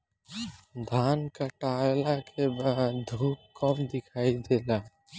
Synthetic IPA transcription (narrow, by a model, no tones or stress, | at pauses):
d̪ʱankəʈaelakebaːd̪d̪ʱuːp̚kɔmd̪ɪkʰaid̪ela